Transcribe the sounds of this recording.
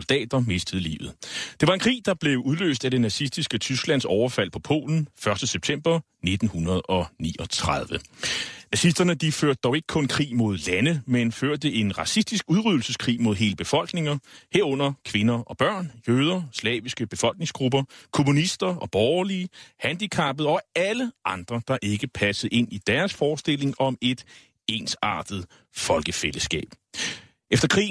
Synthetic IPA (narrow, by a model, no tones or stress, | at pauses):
ld̥ɛ̰ːd̥ɐme̝sd̥əð̩ˠlḭːʊð̩ˠd̥e̝ʋɑ̈e̝nkʰʁḭːd̥ɑ̈b̥le̝ʊuðˠlø̰ːsd̥æd̥e̝næsisd̥isɡ̥ət͡sʰysɡ̥læn̰sɒʊɐfæl̰pʰɒ̽pʰo̝̰ːln̩fɶɐsd̥əseb̥̚t͡sʰemb̥ɐ | ned̥n̩hunɐð̞ˠɒ̽nḭːɒt͡sʰʁað̞ˠʋənæsisd̥ɐnəd̥iføɐ̰d̥̚d̥ɒʊe̝ɡ̥ə̥kʰɔ̽nkʰʁḭːmo̝ð̞ˠlænəmenføɐ̰d̥əe̝nʁɑ̈sisd̥isɡ̥uðˠʁyðˠl̩səskʰʁḭːmo̝ðˠɦe̝ːləb̥e̝fɒ̽l̰ɡ̥ne̝ŋɐheɐɔ̽n̰ɐkʰʋe̝nɐʔɒ̽b̥ɶɐ̰njøːðˠɐslɛ̰ːʋisɡ̥əb̥e̝fɒ̽l̰ɡ̥ne̝ŋsɡ̥ʁub̥ɐkʰo̝munisd̥ɐɒ̽b̥ɒːʊɐliːhænd̥ikʰɑ̈b̥ð̞̩ˠɒ̽æləʔɑ̈nd̥ʁɐd̥ɑ̈ʔe̝ɡ̥əpʰæsəð̩ˠe̝n̰id̥æɐsfɒːsd̥ele̝ŋɒ̽me̝d̥ | e̝ːnsɑ̰̈ːd̥ð̩ˠ | fɒ̽lɡ̥əfeləsɡ̥ɛ̰ːb̥ | efd̥ɐkʰʁḭː